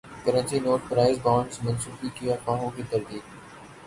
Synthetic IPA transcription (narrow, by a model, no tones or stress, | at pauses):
kəɾə̃nt͡ʃinoːʈpɾaːɪzbaːɳsmɐ̃nsuːfikɪjakãːɦõkit̪ɐɾd̪iːd̪